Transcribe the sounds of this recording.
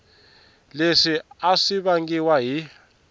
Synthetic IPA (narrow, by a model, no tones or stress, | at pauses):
leʂiaʂiɓaŋɡiwaɦi